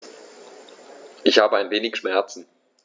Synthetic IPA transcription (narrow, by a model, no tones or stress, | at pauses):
ʔɪçhaːbəaɪnveːnɪçʃmɛɐt͡sn̩